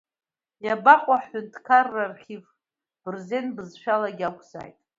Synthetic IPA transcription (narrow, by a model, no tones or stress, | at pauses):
jabaχʷʼaħʊntʰkʰarːarχʲiv | b̥ɨrzenbɨzʃᶣalaɡʲakʷʰʼza̰jtʼ